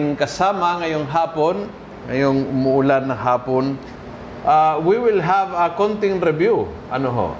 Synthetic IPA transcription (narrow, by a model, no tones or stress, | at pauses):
ŋkɐsaːmɐŋɐjoŋɦaːpon | ŋɐ̰joŋʊmʊʊlanːɐŋɦaːpon | ʔawiwɪlɦavɐkont̪ɪŋɾɛbjuʔɐnoɦo̰ʔ